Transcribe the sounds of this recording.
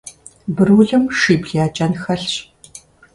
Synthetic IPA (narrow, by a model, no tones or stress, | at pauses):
bɨruɮɨmʂiːbɮaːt͡ʃʼɐnxɐɬɕ